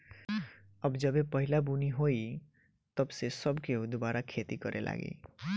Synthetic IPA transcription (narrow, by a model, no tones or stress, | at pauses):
əbd͡ʒəbepəɦilabuniɦoi | t̪əbsesəbkeud̪ubaɾakʰet̪ikʌɾʔḛlʔa̰ɡḭ